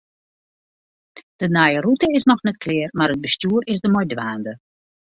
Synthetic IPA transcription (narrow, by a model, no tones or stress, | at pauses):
d̥ənajərutəɪsnɔxnɛt̚kʰlɪːrmaɾəd̚bəstjuːɾɪzdəmojdʋaːndə